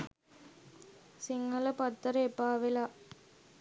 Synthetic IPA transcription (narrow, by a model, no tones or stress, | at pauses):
sɪŋɡɐlɐpɐt̪ːɐɾepːaːʋɪlaː